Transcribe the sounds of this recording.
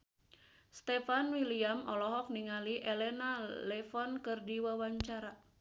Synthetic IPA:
st̪ɛfanwiliamɔlɔɦɔk̚niŋaliʔelɛnalɛfɔnkɨrdiwawaɲt͡ʃaɾa

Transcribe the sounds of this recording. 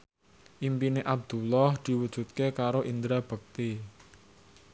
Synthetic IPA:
ʔimpineʔab̚d̪̥ulɔhd̪̥i̤wəd̥ʒ̥ṳt̪̚kekaɾoʔind̪ɾab̥ə̤k̚t̪i

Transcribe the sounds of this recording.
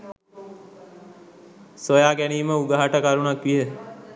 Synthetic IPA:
sojaːkæniːməuɡaɦaʈəkaɾunakʋijə

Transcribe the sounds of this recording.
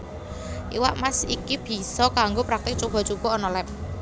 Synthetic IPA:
ʔiwa̰ʔmasikib̥i̤sɔkaŋɡopɾak̚t̪ɪk̚t͡ʃub̥ɔ̤t͡ʃub̥ɔ̤ːnɔlɛp̚

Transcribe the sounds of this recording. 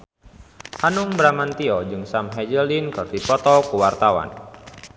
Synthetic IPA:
hanuŋbɾamant̪iɔd͡ʒɨŋsamɦɛd͡ʒəldinkɨrdipɔt̪ɔkuwart̪awa̰n

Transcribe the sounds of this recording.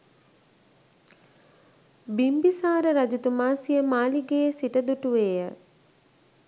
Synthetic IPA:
bimbisaːɾəɾad͡ʒut̪umaːsijəmaːliɡeːsit̪əd̪uʈuʋeːjə

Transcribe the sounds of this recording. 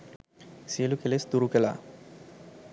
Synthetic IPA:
seːlukelesd̪uɾukɛla̰

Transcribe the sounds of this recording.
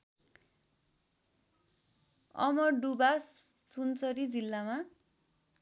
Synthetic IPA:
ʌ̰mʌrɖubas | sunt͡sʌɾid͡zilːama

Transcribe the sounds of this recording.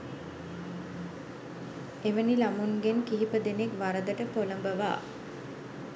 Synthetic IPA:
eʋənilamuŋɡenkiɦipəd̪enekʋaɾəd̪əʈəpoləmbəʋa̰ː

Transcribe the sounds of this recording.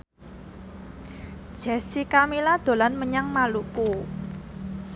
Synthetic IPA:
ʒ̥ɛ̤sikamilad̪̥o̤lanməɲaŋmaluku

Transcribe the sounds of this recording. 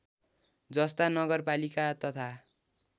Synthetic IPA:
d͡zʌst̪anʌɡʌrpalikat̪ʌt̪ʰa

